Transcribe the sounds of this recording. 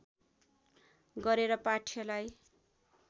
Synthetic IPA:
ɡʌɾeɾʌpaʈʰjʌlaj

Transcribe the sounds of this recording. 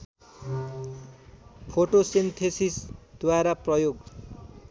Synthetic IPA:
pʰoʈosint̪ʰesisd̪̥waɾaprʌjoɡ

